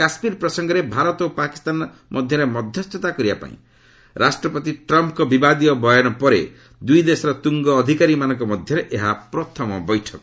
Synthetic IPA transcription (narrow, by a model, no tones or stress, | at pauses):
asmiɾpɾɔsɔŋɡɔɾebʱaɾɔt̪opaki̥st̪an | mɔd̪ʱjʌɾemɔd̪ʱjɔst̪ɔt̪akɔɾibapa̰ḭ̃ | ɾasʈɾɔpɔt̪iʈɾɔmpkɔbibad̪iɔbɔjɔnɔpɔɾḛ | d̪ujd̪esɔɾɔt̪uŋɡɔːd̪ʱikaɾimanɔŋkɔmɔd̪ʱjɔɾeʔeɦapɾɔt̪ʰɔmɔbɔjʈʰɔkɔ